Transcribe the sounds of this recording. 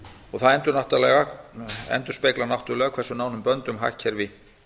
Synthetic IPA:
ɔɣθaðɛnt̪ʏɾnaht̪alɛːɣaɛ̰nt̪ʏɾ̥speːjklanawht̪ʏlɛːɣakʰv̥ɛɾsʏnaːwnʏmpœnt̪ʏmɦa̰cʰːɛɾvɪ

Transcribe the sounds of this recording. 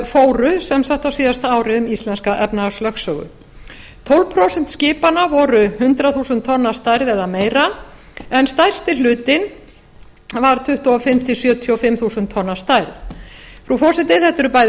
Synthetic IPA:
foːwɾʏsɛmsaht̪awsiːðast̪aaːwɾɪʏmist̪lɛnskaʔɛpnaaslœxksœːɣʏ̰ | t̪ʰowlvpʰɾowsɛnt̪scɪːpanavɔɾʏhʏnt̪ɾaθuːsʏnt̪ʰːɔnːast̪ajɾðɛðameːjɾa | ɛnst̪ajɾ̥st̪ɪlʏːt̪ɪn | vaɾ̥t̪ʰʏht̪uɔfɪm̥t̪ʰɪsjœːt̪ʰjɔfɪmθuːsʏnt̪ʰːɔnːḁst̪ajɾðfɾufɔːsɛt̪ɪθɛht̪ʏɾʏpaj

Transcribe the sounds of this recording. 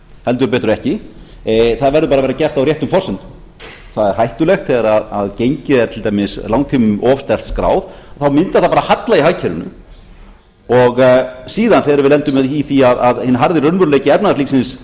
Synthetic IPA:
hɛlt̪ʏpɛːt̪ɾʏɛhcɪ | θaðvɛɾðʏpaːɾavejɾacɛr̥t̪awrjɛht̪ʏmfɔrsɛnt̪ʏ | θaðɛɾ̥hajht̪ʏlɛxt̪θɛɣaɾaða̰ðcejɲcɪðɛɾt̪ʰɪlt̪ajmɪslawŋt̪ʰimʏmʔɔfst̪ɛl̥t̪skɾa̰ːwðθawmɪnt̪aθapaɾahat̪laiɦajcʰɛɾʏ̰nʏ̰ | ɔɣsiːðanθɛɾʏɾvɪðlɛnt̪ʏmɛðiθiaðaðhɪnːaɦaɾðɪrœnvʏɾleːjcɪɛpnaðsliːksɪns

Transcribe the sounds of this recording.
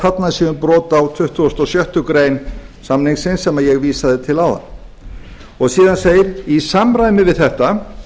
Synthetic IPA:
at̪nasiːʏnpɾɔːt̪awt̪ʰʏht̪uɔst̪ɔsjœht̪ʏkɾeːjnsamnɪŋsɪnsɛmajɛɣviːsaðɪt̪ʰɪlawða̰n | ɔɣsiːðanseːjɪɾisamɾajmɪvɪðθɛht̪a

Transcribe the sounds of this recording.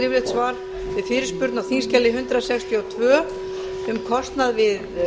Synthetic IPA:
ɾɪvlɪht̪svaːɾ | vɪðfɪːɾɪ̥spʏɾt̪nawθinscɛlːɪɦʏnt̪ɾasɛkst̪ʰjiɔwt̪ʰvœː | ɛmkʰɔst̪naðvɪð

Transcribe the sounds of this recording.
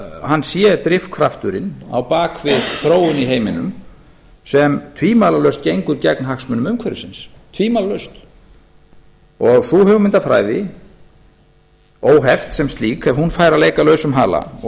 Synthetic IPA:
hanːsjɛt̪ɾɪfkʰvɾaft̪ʏɾɪna̰wpaːkvɪðθɾoːwʏniɦejmɪnʏ̰m | sɛmt̪ʰviːmalalœɥst̪̚cejŋkʏɾcɛknɦaxsmʏnʏmʏmkʰvɛɾɪsɪns | t̪ʰviːmalalœɥst̪ | ɔɣθuhɛvʏmɪnt̪aðfɾa̰ːjðɪ | oːwɦɛft̪sɛmst̪liːkɛvhunfaːjɾaleːjkalœːɥsʏmɦa̰ːla̰

